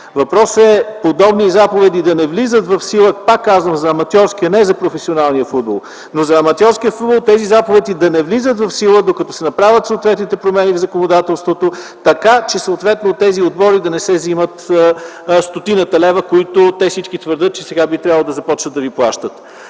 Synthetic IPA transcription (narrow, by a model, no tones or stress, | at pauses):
vɐpɾɔsɛpod̪ɔbnizapovɛd̪id̪ɐnɛvlizət̪vɐfsilˠəpakːazvəmzɐːmɐt̪ʲjɔɾskiɐnɛzɐpɾofɛsionalˠnijəfud̪̚bo̰lˠ | nozɐːmɐt̪ʲjɔɾskijəfud̪bolˠt̪ɛzizapovɛd̪id̪ɐnɛvlizət̪vɐfsilˠəd̪okɐt̪ɔsɛnɐpɾavʲət̪səot̪vɛt̪nit̪ɛpɾomɛnivzɐkonod̪at̪ɛlˠst̪vot̪o | t̪ɐkat͡ʃɛsoːt̪vɛt̪not̪ɛziod̪̚bɔɾid̪ɐnɛsɛzimət̪ | st̪ot̪inət̪ɐlɛvəkoit̪ot̪ɛfsit͡ʃkit̪vəɾd̪ɤt̪̚t͡ʃɛsɛɡabit̪ɾjavəlˠod̪ɐzɐpɔt͡ʃnət̪ɐviplˠaʃt̪ət̪